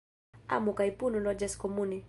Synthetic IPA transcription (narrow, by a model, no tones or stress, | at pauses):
a̰mukaipunulɔd͡ʒɛskɔmuni